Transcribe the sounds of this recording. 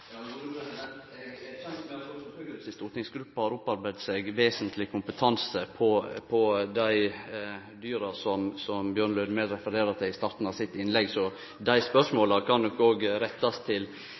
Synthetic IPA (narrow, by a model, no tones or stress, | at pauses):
sɪst̪uːt̪nɪŋsɡɾʉpːɑhɑːɾɔpːɑɾbæɪd̪seɡʋeːsənt̪ʰlɪkʰʊmpət̪ʰɑnsəpʰɔpʰɔd̪æɪ | d̪yːɾɑsɔmsɔmbjøːɾɳlœʏd̪meːd̪ɾɛfəɾeːɾəɾt̪ʰɪɪst̪ɑɾt̪n̩ɑʋsɪt̪ːɪnlɛɡsɔ | d̪æɪspœʂmoːlɑkʰɑnd̪ɔkːoːɡɾɛt̪ːɑst̪ʰɪl